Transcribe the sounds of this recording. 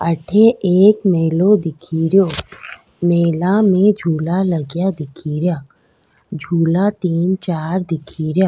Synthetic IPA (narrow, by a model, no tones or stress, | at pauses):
əʈʰeeːkmeːlõd̪ɪkʰiːɾjoː | meːlamẽd͡ʒʱuːlaləɡjad̪ɪkʰiːɾjaː | d͡ʒʱuːlat̪iːnt͡ʃaːɾd̪ɪkʰiːɾjaː